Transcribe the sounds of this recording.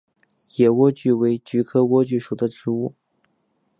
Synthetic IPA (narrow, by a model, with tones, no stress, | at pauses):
jɛ˨˩wɔ˥t͡ɕy˥˩we˧˥ɪt͡ɕy˧˥kʰɤ˥wɔ˥t͡ɕy˥˩ʂu˨˩d̪ə˦ʈ͡ʂɻ̩˧˥u˥˩